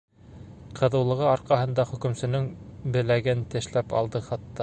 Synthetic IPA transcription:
qʰɤ̆ðɤ̆wlˠɤ̆ʁɤɑɾqɑɦɤ̆nd̪ɑχɵ̆kɵ̆msɵ̆nɵŋbɘ̆læɡɘnt̪ɘ̆ʃlæpɑ̰lˠd̪ɤχɑt̪ːɑ

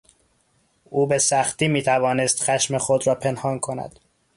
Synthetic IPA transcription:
ʔuːbe̞sæxt̪iːmiːt̪ʰævɒːnest̪xæʃmexod̪ɾɒːpʰe̞nhɒːnkʰo̞næ̰d̪̥

